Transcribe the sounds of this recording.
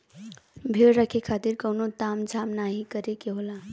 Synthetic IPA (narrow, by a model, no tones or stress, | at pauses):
bʱeɾːəkʰekʰat̪iɾkəwnot̪amd͡ʒamnaɦikəɾekeɦola